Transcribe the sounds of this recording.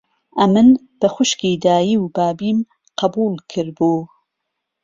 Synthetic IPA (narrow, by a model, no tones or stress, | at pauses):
ʔɐmɨn | b̥ɐxʷʊʃkiːd̪aːjiːwbaːbiːm | qɐbuːlˠkʰɨɾbuː